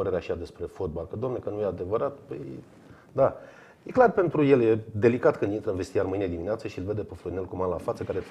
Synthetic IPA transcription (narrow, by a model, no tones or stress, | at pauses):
əɾeɾeaʃiad̪e̞spɾe̞fot̪̚balkəd̪oamnekənujead̪e̞vəɾat̪pə̰j | d̪a | jeklarpe̞nt̪ɾuje̞lje̞d̪e̞likat̪kɨnd̪int̪ɾəɨnvest̪ijarmɨjned̪imineat̪səʃiilve̞d̪epefluɾine̞lkumanlafat̪səkaɾe